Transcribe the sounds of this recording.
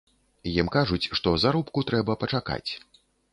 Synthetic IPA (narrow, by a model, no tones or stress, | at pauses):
jimkaʐut͡sʲʂt̪ɔzaɾupkut̪ɾɛbɐpɐt͡ʂaka̰t͡sʲ